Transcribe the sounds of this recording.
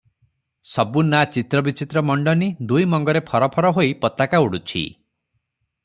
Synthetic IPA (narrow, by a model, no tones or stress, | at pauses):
sɔbunat͡ʃit̪ɾɔbit͡ʃit̪ɾɔmɔɳɖɔnid̪ujmɔŋɡɔɾepʰɔɾɔpʰɔɾɔɦoipɔt̪akauɽut͡ʃʰḭ